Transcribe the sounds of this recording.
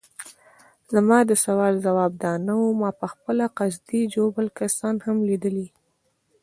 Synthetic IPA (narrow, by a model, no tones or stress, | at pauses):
zəmɑd̪əsawɑlzawɑb̚d̪ɑnawumɑpəxpəlaqazd̪id͡ʒobəlkasɑnhamlid̪əli